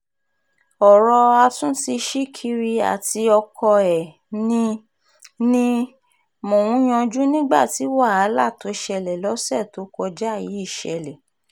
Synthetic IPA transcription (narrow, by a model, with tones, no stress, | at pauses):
ɔ˨ɾɔ˧a˧tũ˦ti˧ʃi˦kʰi˦ɾi˧a̰˨ti˧ɔ˧kʰɔ˧ɛ˨ | nĩ˧ | nĩ˧ | mõ˨wũ˨˦j̃ɔ̃˧d͡ʒu˦nĩ˦ɡ͡ba̰˦˨ti˨˦wa˦˨a˨˦la˦˨to˨˦˨ʃɛ˧lɛ˨lɔ˨˦sɛ˦˨to˨˦kɔ˧d͡ʒa˦˨ji˨˦i˦˨ʃɛ̰˧lɛ˨